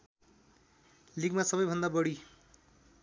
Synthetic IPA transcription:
liɡmasʌbʌjbʱʌnd̪abʌɽi

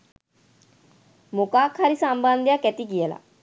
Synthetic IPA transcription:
mokaːkʰaɾisamband̪jakɛt̪ikijəla̰

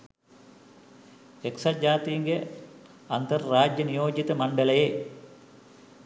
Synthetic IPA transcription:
eksad͡ʒaːt̪ijiŋɡe | ant̪ərːaːd͡ʒjənijoːd͡ʒit̪əmaɳɖələje

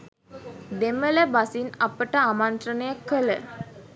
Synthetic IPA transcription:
d̪emələbasinɐpəʈəamant̪rənəjakːələ

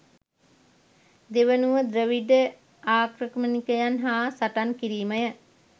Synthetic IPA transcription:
d̪eʋənuʋəd̪ɾəʋiɖə | aːkɾəkəmənikəjanɦaːsaʈankiɾiːməjə

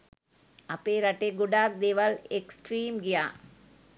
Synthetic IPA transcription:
ɐpːeːɾɐʈːeɡʊɖaːk̚d̪eːʋaleksʈɾiːmɡɪjaː

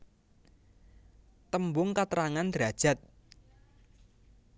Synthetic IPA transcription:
t̪əmbʊŋkat̪əɾaŋand̪̥ɾad̥ʒ̥a̤t̪̚

